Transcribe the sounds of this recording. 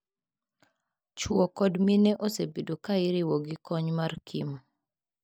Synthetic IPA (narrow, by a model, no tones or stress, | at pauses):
t͡ʃwɔkɔdminɛʔosebedokaɪɾɪwɔɡɪkɔɲmarkʰim